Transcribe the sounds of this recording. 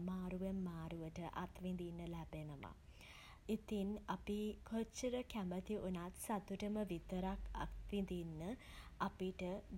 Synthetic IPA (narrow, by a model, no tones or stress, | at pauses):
maːɾuʋemːaːɾuʋəʈəʔa̰t̪ʋind̪inːəlæbenəʋa̰ | it̪inapikʰət͡ʃːəɾəkæmət̪iʔunat̪sat̪uʈəməʋit̪əɾaka̰t̪ʋind̪inːə | apiʈə